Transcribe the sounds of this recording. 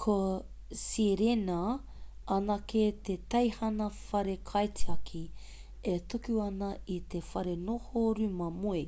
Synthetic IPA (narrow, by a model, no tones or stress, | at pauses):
kʰo | siɾena | ɐnɐket̪et̪ɐjhɐnɐfɐɾekʰɐjtiɐkʰi | et̪ukuɐnɐit̪efɐɾenohoɾʉmɐmue